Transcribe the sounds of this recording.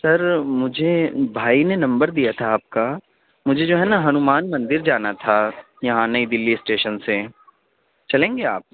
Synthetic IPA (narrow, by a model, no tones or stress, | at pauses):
sɐɾmʊd͡ʒʱebʱaːinenɐ̃mbəɾd̪ijat̪ʰaːp̚ka | mʊd͡ʒʱed͡ʒoːɦɛnaɦɐnʊmaːnmɐ̃nd̪ɪɾd͡ʒaːnat̪ʰa | jɐɦãnɐid̪ɪlːisʈeːʃənse | t͡ʃɐlẽːŋɡeaːp̚